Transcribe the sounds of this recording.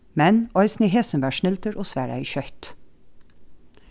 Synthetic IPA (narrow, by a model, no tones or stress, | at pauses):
mɛnɔʏsn̩iːhɦeːsənʋæːʃnɪlt̪əɾʔoːsʋæːɹɑ̰ḭːçœht̪